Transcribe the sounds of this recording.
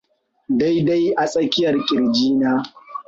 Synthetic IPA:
da˦jda˦jʔa˨sʼɐ˦kʲɪ˦jɐ˨rkʲʼɪ˨ɾd͡ʒiː˦naː˦

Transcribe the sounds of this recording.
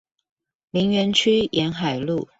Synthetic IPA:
li˧˥ŋɥɛ˧˥nt͡ɕʰy˥jʔɛ˧˥nxa˨˩ɪlu˥˨

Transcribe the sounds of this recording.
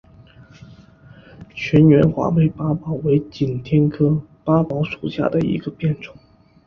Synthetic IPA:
t͡ɕʰɥɛ˧˥nɥɛ˧˥nxwa̰˧˥pe˥˩ɪpa˥pɑ˨˩ʊwe˧˥ɪt͡ɕi˨˩nt̪ʰjɛ˥nkʰɤ˥pa˥pɑ˧˥ʊʂu˨˩ɕja̰˥˩d̪ə˩ḭ˧˥ɡə˧pjɛ˥˩nʈ͡ʂʊ˨˩˦ŋ

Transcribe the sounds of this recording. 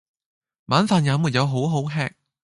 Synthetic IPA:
maː˨˥nfaː˨˧njaː˨˧˥muː˨˩t̚jɐ˨˧wɦo˨˥wɦo˨˥wɦɛː˧˥k̚

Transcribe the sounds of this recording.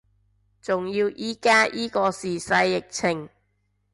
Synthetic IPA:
t͡sʊ˨ŋjiː˧wʔiː˥kaː˥jʔiː˥kɔː˧siː˨˩sɐ˧jːɪ˨k̚t͡sʰɪ˨˩ŋ

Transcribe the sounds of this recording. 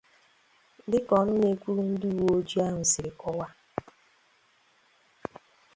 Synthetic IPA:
dɪ˦kɔ˨nʊ˦ne˨kʷu˦ɾu˦n̩˦du˦˨wo˦d͡ʒi˦a˦ɦʊ˨sɪ˨ɾɪ˨kɔ˦wa˦

